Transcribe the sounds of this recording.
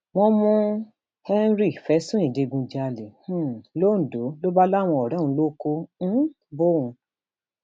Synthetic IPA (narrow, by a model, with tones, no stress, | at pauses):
w̃ɔ̃˧mɔ̃˧ | hɛ˦n˦ɾi˦˨fɛ˨˦sũ˦ĩ˨de˨˧ɡũ˧d͡ʒa˧le˨hũ˦˨lo˦n̩˨do˨˦lo˦ba˦la˦˨w̃ɔ̃˧ɔ˨ɾã˨˦ũ˧˦lo˦kõ˦ | bo˦ũ˧